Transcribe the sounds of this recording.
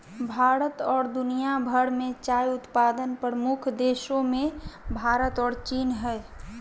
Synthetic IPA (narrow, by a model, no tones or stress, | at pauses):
bʱaːɾət̪ɔːɾd̪unijabʱəɽmẽt͡ʃaːjʊt̪pad̪ənpɾɾəmʊkʰd̪eʃõmẽbʱaɾət̪ɔːɾt͡ʃiːnɦɛː